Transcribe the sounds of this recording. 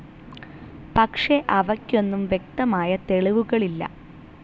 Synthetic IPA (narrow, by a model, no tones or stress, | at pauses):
pɐkʂe̞ʔɐʋɐkʲːo̞nːumʋje̞k̚t̪ɐmaːjɐt̪e̞ɭiʋuɣɐɭilːɐ̰